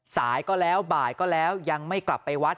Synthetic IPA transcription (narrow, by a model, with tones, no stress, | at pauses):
saː˩˦jkɔː˥˩lɛː˦˥wbaː˨˩jkɔː˥˩lɛː˦˥wja˧ŋma˥˩jkla˨˩pːa˧jwa˦˥t̪̚